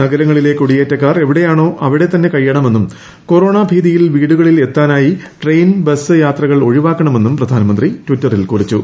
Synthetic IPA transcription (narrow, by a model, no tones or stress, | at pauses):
nɐɡɐɾɐŋːɐɭile̞kːuɽijeːtːɐkːaːre̞ʋiɽe̞jaːɳo̞ːʔɐʋiɽe̞t̪ɐnːe̞kɐjːɐɳɐme̞nːum | ko̞ro̞ːɳabʱiːðijilʋiːɽuɣɐɭile̞t̪ːaːnaːjiʈrejnbesɨjaːt̪rɐɣɐɭo̞ɻiʋaːkːɐɳɐme̞nːumprɐd̪ʱaːnɐmɐnd̪ritʋitːɐrilkurit͡ɕːu